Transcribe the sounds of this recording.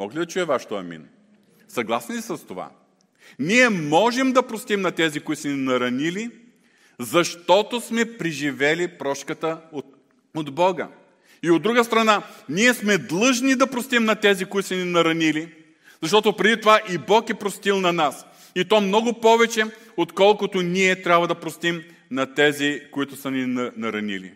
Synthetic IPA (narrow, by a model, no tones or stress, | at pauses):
mɔ̰klid̪ɐt͡ʃuɛvaʃt̪oɐ̰mḭn | sɐɡlˠasnissɐst̪ova̰ | niɛmɔʒɛmd̪ɐpɾost̪imnɐt̪ɛzikoit̪smɛninɐɾɐnili | zɐʃt̪ɔt̪osmɛpɾiʒivɛlipɾɔʃkət̪ə | od̪bɔɡə̰ | iod̪ːɾuɡəst̪ɾɐnaniɛsmɛd̪lˠɤʒnid̪ɐpɾost̪imnɐt̪ɛzikoʊit̪smɛninɐɾɐnili | zɐʃt̪ɔt̪ʊpɾɛd̪it̪ovaʔibɔkɛpɾost̪ilˠnɐnas | it̪ɔmnɔɡʊpɔvɛt͡ʃɛ | ot̪kɔlˠkʊt̪ʊniɛt̪ɾʲabvɐd̪ɐpɾost̪im | nɐt̪ɛzikoit̪ʊsɐninɐɾɐ̰nḭlḭ